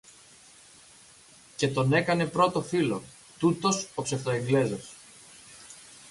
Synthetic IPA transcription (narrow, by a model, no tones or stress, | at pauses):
ce̞t̪o̞ne̞kɐne̞pɾo̞t̪o̞filo̞ | t̪ut̪o̞sopse̞ft̪oeŋɡle̞zɐs